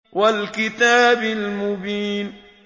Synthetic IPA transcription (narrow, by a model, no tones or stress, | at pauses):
walkɪt̪aːbɪlmʊbiːn